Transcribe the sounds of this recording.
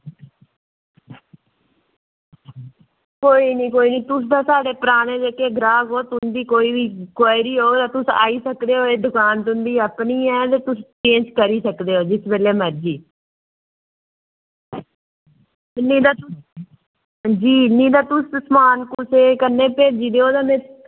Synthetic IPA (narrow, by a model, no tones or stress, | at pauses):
koːiːniːkoːiːniːt̪ʊs̬d̪aːsaːɖeːpəɾaːnẽːd͡ʒeːkeːɡɾaːɡoːt̪ʊnd̪iːkoːiːʋiːkwaːɪɾiːɦoːd̪aːt̪ʊsa̰ːiːsəkd̪eːɦoːeːd̪ʊkaːnt̪ʊnd̪iːəpɳiːɛ̃ːt̪eːt̪ʊst͡ʃẽːnd͡ʒkəɾiːsəkd̪eːɦoːd͡ʒɪsbeːleːməɾd͡ʒiː | nĩːd̪aː | d͡ʒiːnĩːd̪aːt̪ʊssmaːnkʊseːkəneːpeːd͡ʒiːd̪eːɦoːd̪aːmɛ̃ː